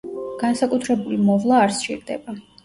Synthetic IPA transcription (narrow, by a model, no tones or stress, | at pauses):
ɡ̥ansakʼut̪ʰɾɛbulimɔvlˠaːɾt͡ʃʼḭɾd̪ɛ̰ba